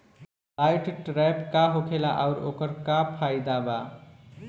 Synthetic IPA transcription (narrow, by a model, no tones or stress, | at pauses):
lajʈʈɾajpkaɦokʰelaʔaʊɾokəɾkapʰajd̪aba